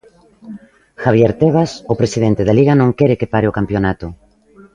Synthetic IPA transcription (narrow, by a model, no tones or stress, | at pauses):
xaβjeɾt̪eβ̞asopɾesiðent̪eðaliɣanõŋkɛɾɪkepaɾeokampjonat̪ʊ